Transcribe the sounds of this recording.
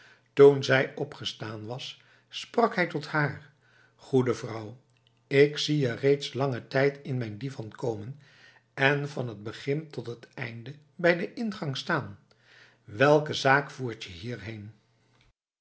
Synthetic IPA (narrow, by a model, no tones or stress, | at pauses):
tunzɛjɔpχəstaːnʋɑsː | prɑkɦɛjtɔthaːɹ | χudəvrʌw | ɪksiərejtslɑŋətɛjtʰɪnmɛjndivɑnkowmən | ɛnvɑnɦəd̚bəχɪntɔtɦətɛ̰jndə | bɛjdəʔɪnχɑŋstaːn | ʋɛlˠkəzaːkfuːɹtjəɦiːɹɦejn